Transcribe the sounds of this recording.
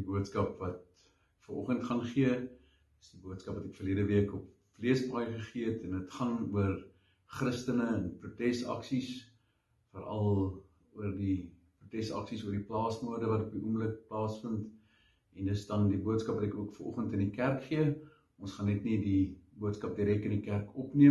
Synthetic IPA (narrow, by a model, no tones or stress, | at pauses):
dibuətskɐpvɐt̚ | kfərɔ̰χəntχɐnχiə | əsdibuətskɐpvɐtɛkfərliədəviəkɔp | fliəsbɑːjχəχiəətɛndətχɐnuər | χrəstənəənprutɛsɐ̰ksis | fərɐ̰lˠ | uərdi | prutɛsɐ̰ksisuərdiplɑːsmuərdəvɐtɔpiʔuəmlək̚plɑːsfənt | ɛndəsdɐndibuətskɐpvɐtɛkuəkfərʔɔ̰χəntəndikærkχiə | ʔɔnsχɐnːɛtnidibuətskɐp̚diɾɛkəndikærkɔpniə